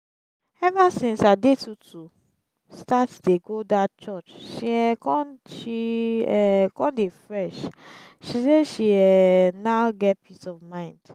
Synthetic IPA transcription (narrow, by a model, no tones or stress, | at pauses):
ɛvasĩnsadetutʰu | statdeɡodatt͡ʃɔt͡ʃʃiɛkɔ̃nʃiɛkɔ̃ndefɹɛʃ | ʃiseʃiɛnaʊɡɛt̚pʰitɔvmãɪ̃nd̥